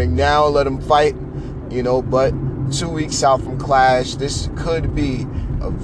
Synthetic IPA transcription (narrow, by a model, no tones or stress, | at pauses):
ɪ̃ŋnaʊlɛɾ̚ɨ̃ɱfaɪt̚ | jɨnoʊbʌt̚tʰuwiksaʊtfɹʌ̃mkʰl̥æʃðɪskʰəd̚biʔə̰